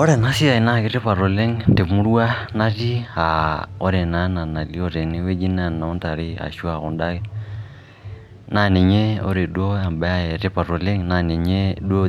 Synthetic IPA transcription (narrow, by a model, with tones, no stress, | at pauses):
ɔ˦ɾɛ˨na˦si˦a˨i˨na˦ki˨ɾɛ˦pa˨ɾɔ˨lɛ˦ŋndɛ˨mu˦ɾwa˦na˦ɾi˦a˨ɔ˦ɾɛ˨na˦na˨na˨li˦ɔ˨ɾɛ˨ni˦wɛ˦d͡ʒi˦na˦nna˨ɔ˦nta˨ɾi˦a̰˨ʃu˦a˨ɣɔ˨nda˦ɣɛ | na˦nɛ˨ɲɛ˦ɔ̰˦ɾɛ˨dwɔ˦a˨mba˨˦a˦ɛ˨ɾɛ˦pa˨ɾɔ˨lɛ˦ŋna˨nɛ˨ɲɛ˦dɔ˦